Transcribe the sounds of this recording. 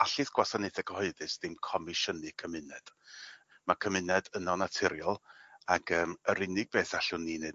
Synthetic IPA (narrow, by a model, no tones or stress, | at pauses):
aɬɨθɡ̥wasanɪθɛɡəhɔɨðɨsd̥ɪmkʰɔmɪʃənɨkʰəmɪnɛd̥ | makʰəmɪnɛdənɔnatʰɪɾjɔlˠaɡəːməɾɪnɪɡ̚beːθaɬʊniːneːd